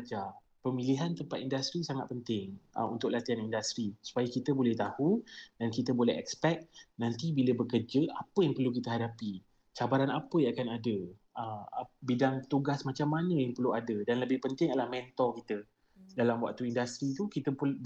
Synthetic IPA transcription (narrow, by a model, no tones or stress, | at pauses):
d͡ʒa | pəmiliɦant̪əmpat̪̚indast̪ɾisaŋat̪̚pənt̪ɪŋʔə̰ṵnt̪ʊk̚lat̪ianindast̪ɾisu̥pajəkit̪əbolɛht̪ahudankit̪əbolɛ̰ɦɛ̰kspɛk̚nant̪ibiləbəkərd͡ʒəapəjaŋpərlukit̪əɦadapi | t͡ʃabaɾanapəjaakanadə | əmbidaŋt̪uɡasmat͡ʃamːanə̃jaŋpərluadədanləbɪhpənt̪ɪŋadəlahmɛ̃nt̪ɔkit̪ə | dalamwa̰k̚t̪uindast̪ɾit̪ukit̪əp